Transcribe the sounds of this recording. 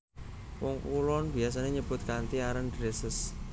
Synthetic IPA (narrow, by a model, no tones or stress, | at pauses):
wɔŋkulɔnb̥ias̬aneɲəb̥ʊt̪̚kant̪iaɾəndɾesəs